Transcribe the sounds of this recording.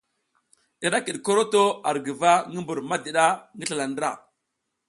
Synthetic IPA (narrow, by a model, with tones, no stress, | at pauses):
i˨ɾa˦ki˨ɗko˦ɾo˦to˦a˨ɾɡi˨va˦ŋə˦mbu˨ɾma˦di˨ɗa˦ŋɡə˦ɬa˨la˨ndɾa̰˦˨